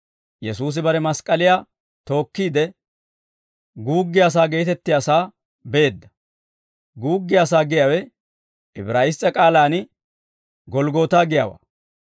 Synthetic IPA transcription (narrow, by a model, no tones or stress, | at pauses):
jɛsuːs̬ɪbɐɾɛmɐskʼːɐlɪjaː | t̪o̞ːkːiːd̪ɛ | ɡuːɡːɪjaːs̬aːɡe̞ːt̪ɛt̪ːɪjaːsaː | beeːd̪ːɐ̥ | ɡuːɡːɪjaːs̬aːɡɪjaːwɛ | ɪbɾaːjɪst͡sʼːɐkʼaːlaːnɪ | ɡɔlɡo̞ːt̪aːɡɪja̰ːwa̰ː